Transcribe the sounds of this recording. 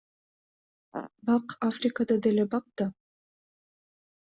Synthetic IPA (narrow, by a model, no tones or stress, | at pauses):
bɑqafrʲikad̪ɑd̪elebɑq̚d̪ɑ